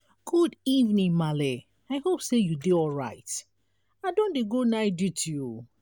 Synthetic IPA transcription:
ɡ̥udivnĩŋmale | aɪhopsejudeɔlɹa̰ɪt | aɪdõndeɡonaɪdutʰuju

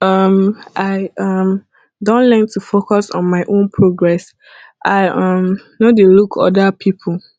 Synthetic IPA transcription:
ʌmʔaɪʌm | dõnlɛ̃ntʰufokɔsɔ̰̃nmaɪʔõnpʰɹoɡɹɛs | ʔaɪʔʌ̃mnodelukʰɔ̰dapʰipʰl

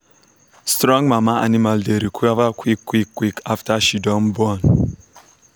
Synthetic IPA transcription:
stɾɔ̃ŋmamaʔa̰nimaldeɾikʰuavakʰʷwikːwikːwikʰaftaʃidɔmbɔn

